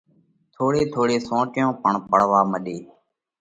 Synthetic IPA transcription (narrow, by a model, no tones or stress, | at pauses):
t̪ʰoːɽeːt̪ʰoːɽeːsõːʈjõːpəɳpəɽ̤ʋaːməɗeː